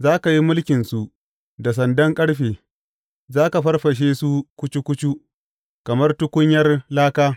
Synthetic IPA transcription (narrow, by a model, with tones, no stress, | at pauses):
zaː˦ka˨ji˦mʊ˦lkʲɪ˨nsu˨ʔ | da˨s̬ɐ˨ndɐ˦ŋkʼɐ˦ɽɸeː˨ | zaː˦ka˨ɸɐ˦rɸɐ˨ʃ̬eː˦su˦kʷʊ˦t͡ʃi˦kʷʊ˦t͡ʃu˦ | kɐ˨mɐ˦rtʊ˦kʷʊ˦ɲjɐ˦rlaː˦kaː˦